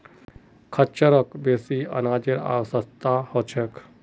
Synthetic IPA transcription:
kʰət͡ʃəɾəkbesiə̰naːd͡ʒeɾa̰ːʋsət̪ahɔt͡ʃʰek

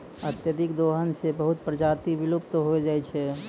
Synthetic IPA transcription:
ət̪jəd̪ɪkd̪oːɦənsebəɦʊt̪̚pɾəd͡ʒaːt̪iʋɪlup̚t̪ɦoed͡ʒaːet͡ʃʰɛ

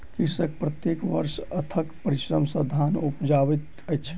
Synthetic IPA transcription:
kisək̚pɾət̪jekʋəɾʃət̪ʰəkpəɾiʃɾəmsə̃d̪ʱanupd͡ʒaʋət̪ | əjt͡ʃʰ

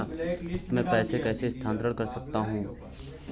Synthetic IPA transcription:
mɛ̃ːpɛːsekɛːsest̪ʰãːnt̪ɾəɽkɐɾsɐk̚t̪aɦũː

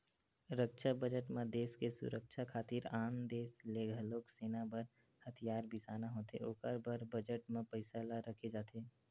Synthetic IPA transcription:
ɾəkʃʰabəd͡ʒəʈmẽd̪eːskesʊ̰ɾək̚ʃʰakʰaːt̪iɾaːmd̪eːsleɡʱəloːkseːnabəɾ | hət̪ʰijaːɾbɪsaːnaɦoːt̪ḛo̰ːkəɾbəɾbəd͡ʒəʈmẽpəɪsalaɾəkʰed͡ʒaːt̪eː

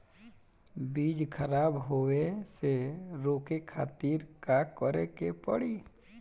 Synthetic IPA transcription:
bid͡ʒkʰəɾabɦoweseɾoːkekʰat̪iɾkakɔɾɛkepəɽi

